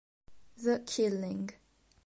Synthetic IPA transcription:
ðəkʰɪlɪ̃ŋɡ

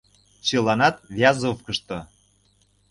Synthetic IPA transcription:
t͡ɕelɑnɑt̪vʲjɑzofkə̆ʃt̪ŏ

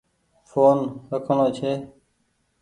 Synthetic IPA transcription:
foːnɾəkʰəɳoːt͡ʃʰeː

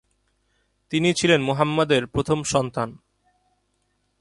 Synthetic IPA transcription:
t̪init͡ɕʰilenmoɦamːad̪eɾpɾot̪ʰomʃɔnt̪an

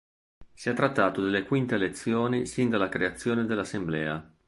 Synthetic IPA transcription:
siɛt̪ːɾat̪ːaːt̪od̪elːekwint̪elet̪sːjoːnisind̪alːakɾeat̪sːjoːned̪elːasemblɛ̰ːa̰

